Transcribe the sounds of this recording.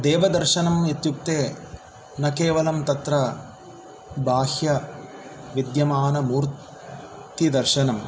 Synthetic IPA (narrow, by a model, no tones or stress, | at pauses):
d̪ɛːʋɐd̪ɐɾʃɐnɐmet̪juk̚t̪eː | nɐkeːʋɐlɐmt̪ɐt̪ɾɐ | bʱaːhjɐ | ʋid̪jɐmaːnɐmuːɾt̪ | t̪id̪ɐɾʃɐnɐm